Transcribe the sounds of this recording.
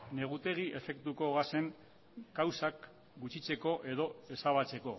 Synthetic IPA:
ne̞ɣut̪e̞ɣiʔe̞fe̞kt̪uko̞ɣase̞ŋ | kawsak | ɡut͡ʃit͡se̞ko̞ʔe̞ðo̞e̞saβ̞at͡se̞ko̞

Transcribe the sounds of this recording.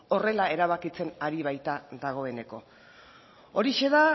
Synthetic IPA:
o̞re̞lae̞ɾaβakit͡se̞naɾiβajt̪aðaɣ̞o̞e̞ne̞ko̞̰ | o̞ɾiʃe̞ða

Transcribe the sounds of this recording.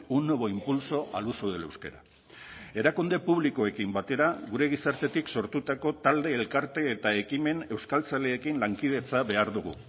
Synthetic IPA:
uno̞βo̞impulso̞ʔa̰lusoðele̞wskeɾa̰ | e̞ɾakund̪e̞puβliko̞e̞kimbat̪e̞ɾaɣuɾe̞ɣ̞isaɾt̪e̞t̪ikso̞ɾt̪ut̪ako̞t̪ald̪e̞ːlkaɾt̪e̞ːt̪ae̞kime̞ne̞wskalt͡sale̞ːkinlaŋkið̞e̞t͡saβe̞aɾðuɣ̞ṵ

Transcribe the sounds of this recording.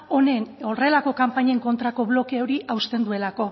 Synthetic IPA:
o̞ne̞no̞re̞lako̞kampaɲe̞ŋko̞nt̪ɾako̞βlo̞keo̞ɾiʔawst̪e̞nd̪ue̞lako̞

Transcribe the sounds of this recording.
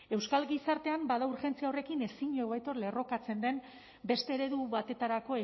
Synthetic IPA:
e̞wskalɡisaɾt̪e̞ambaðauɾxe̞nt͡siao̞re̞kine̞siɲoβajt̪o̞ɾle̞ro̞kat͡se̞nd̪e̞m | be̞st̪e̞ːɾe̞ðuβat̪e̞t̪aɾako̞e

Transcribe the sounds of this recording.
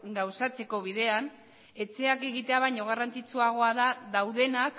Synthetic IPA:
ɡawsat͡se̞ko̞β̞iðe̞an | e̞t͡se̞ake̞ɣit̪e̞aβajɲo̞ɣ̞arant͡sit͡suaɣ̞o̞aðaðawðe̞nak

